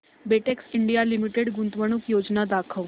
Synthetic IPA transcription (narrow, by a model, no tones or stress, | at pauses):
beʈeksiɳɖijalimiʈeɽɡunt̪ʋəɽ̃ukjod͡znad̪akʰəʋ